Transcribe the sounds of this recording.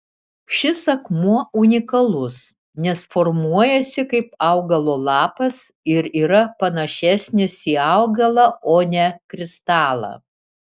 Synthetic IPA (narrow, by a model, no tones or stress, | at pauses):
ʃʲɪsɐkmuɔʊnʲɪkɐlˠʊs | nʲɛsfɔɾmuɔjɛsʲɪkɐɪpɐʊɡɐlˠoːlˠɑːpɐsɪɾiːɾɐpɐnɐʃʲæsʲnʲɪsiːɑʊɡɐlˠɐoːnʲɛkɾʲɪst̪ɑːlˠɐ̰